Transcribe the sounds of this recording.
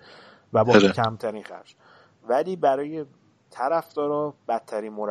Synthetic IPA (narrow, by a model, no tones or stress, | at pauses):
væbɒːcʰæmt̪ʰæɾiːnxæ̰ɾd͡ʒ | væliːbæɾɒːje | t̪ʰæɾæfd̪̥ɒːɾɒːb̥æt̪ʰːæɾiːnmoɾæ